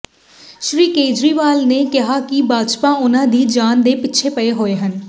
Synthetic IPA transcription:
ʃɾiːkeːd͡ʒɾiːʋaːlneːkɪɦaːkɪbaːd͡ʒpãːʊnãːd̪iːd͡ʒaːnd̪eːpɪtːʃʰeːpəeːɦoːeːɦən

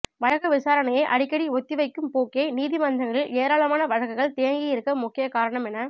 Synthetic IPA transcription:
ʋɐɻɐɣɯʋɪsaːɾɐnɐjɐɪʔɐɽɪkːɐɽiɔt̪ːiʋɐɪkːɯmpoːkːeɐɪniːðimɐnd̪ɐŋɡɐɭɪleːɾaːɭɐmaːnɐʋɐɻɐɣɯɣɐɭt̪ejɐŋɡɪjɪɾɯkːɐmʊkːɪjɐkaːɾɐɳɐmɛnɐ

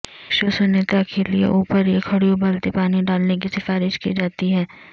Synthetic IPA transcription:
ɪkʃosʊnɪt̪akeliḛʔuːpəɾjekʰɐɽijõbɐlt̪ipaːniɖaːlnek̬isɪfaːɾɪʃkḭd͡ʒaːt̪iɦɛː

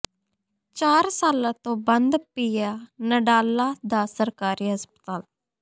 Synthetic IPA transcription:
t͡ʃaːɾsaːlãːt̪õːbənd̪piːaːnəɖaːlaːd̪aːsəɾkaːɾiːɦəspət̪aːl

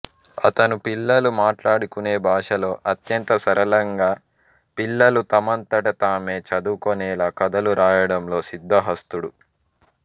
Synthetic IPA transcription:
ɐ̰t̪ɐnupilːɐlumaːʈlaːɽukune̞ːbʱaːʂɐlo̞ːʔɐt̪jɐnt̪ɐsɐɾɐlɐŋɡaː | pilːɐlut̪ɐmɐnt̪ɐʈɐt̪aːmeːt͡ʃɐd̪ukonɛːlaːkɐd̪ɐluɾaːjɐɽɐmlo̞ːsid̪ʱːɐɦɐst̪uɽu

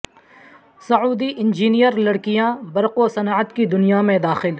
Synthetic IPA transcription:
sɐuːd̪iʔɪ̃nd͡ʒiːnijəɾlɐɽkijãbɐɾqosɐnaːət̪kid̪ʊnijamẽd̪aːxɪl

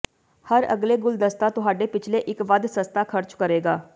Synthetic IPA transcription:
həɾə̰ɡleːɡʊld̪əst̪aːt̪ʊɦaːɖeːpɪt͡ʃʰleːʔɪkʋəd̪səst̪aːkʰəɾt͡ʃkəɾeːɡaː

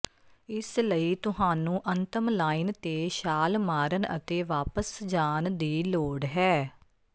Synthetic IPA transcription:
ɪsləiːt̪ʊɦaːnũːʔənt̪əmlaːiːnt̪eːʃaːlmaːɾənə̰t̪eːʋaːpəsd͡ʒaːnd̪iːloːɖɦɛː

